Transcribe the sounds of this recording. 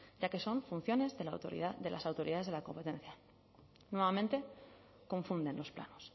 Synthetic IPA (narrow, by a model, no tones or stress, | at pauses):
ɟ͡ʝake̞so̞ɱfun̟θjo̞ne̞zðeloɾ̰ðe̞lasawt̪o̞ɾiðaðe̞zðelako̞mpe̞t̪e̞n̟θja | nwe̞βamẽnt̪e̞ | ko̞ɱfund̪ẽ̞nlo̞spla̰nos